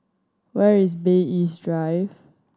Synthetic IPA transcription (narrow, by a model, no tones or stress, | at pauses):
wɛɹisbeisdɹajv